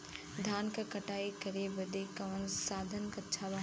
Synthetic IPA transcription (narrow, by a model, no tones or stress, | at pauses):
d̪ʱaːnkakɐʈaːikɐɾebɐd̪ekɐʋənsaːd̪ʱənkɐtːt͡ʃʰaʋa